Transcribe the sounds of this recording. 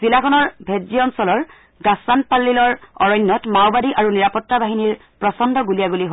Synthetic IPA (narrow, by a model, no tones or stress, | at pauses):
z̥ilakʰɔnɔɹbʱedziɔnsɔlɔɹ | ɡasanpalːilɔɹɔɹɔjnːɔtmawbadiʔaɹuniɹapɔtːabaɦiniɹ | pɹɔsɔndʱɔɡulijaɡuliɦo